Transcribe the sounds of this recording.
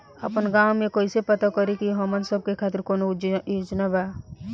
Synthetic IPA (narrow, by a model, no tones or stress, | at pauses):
əpənɡaːwmẽkoːisepət̪akəɾikiɦɔmənsəb̚kekʰaːt̪ɪɾkoːnod͡ʒjod͡ʒnabaː